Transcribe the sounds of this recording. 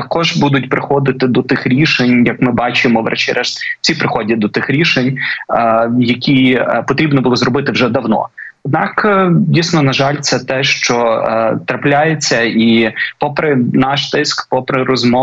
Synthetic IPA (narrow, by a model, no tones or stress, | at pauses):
ɐkɔʒbud̪ʊtʲpɾɪxɔd̪ɪt̪ɪd̪ɔt̪ɪxɾʲiʃenʲjɐkmɪbɑt͡ʃɪmɔʋɾɛ̰t͡ʃiɾʔɛʃt̪ʲt͡sʲipɾɪxɔdʲɐd̪ɔt̪ɪxɾʲiʃenʲ | jɐkʲipɔt̪ɾʲibnɔbʊlˠɔzrɔbɪt̪ɪwʒɛd̪ɐwnɔ̰ɔd̪nɑkdʲijsnɔnɐʒɑlʲt̪sɛt̪ɛʃt͡ʃɔt̪ɾɐplʲajet͡sʲːɐipɔpɾɪnɑʃt̪ɪskpɔpɾɪɾɔzmɔ